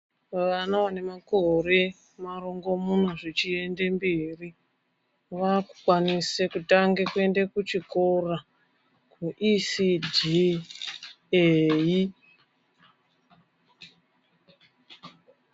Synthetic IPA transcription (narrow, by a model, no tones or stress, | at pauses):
ʋanaʋane̞mako̞re̞ | maɾo̞ŋɡo̞mun̤oʐit͡ʃie̞ndembiri | ʋaku̥kwanisekutaŋɡekue̞ndekut͡ʃikora | kʰuʔisidi | eji